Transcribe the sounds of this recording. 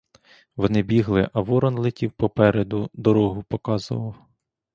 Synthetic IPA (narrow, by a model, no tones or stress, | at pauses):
ʋɔnɪbʲiɦlˠɪʔɐʋɔɾɔnlˠɪtʲiwpɔpɛɾed̪ʊd̪ɔɾɔɦʊpɔkɑzʊ̰ʋɐw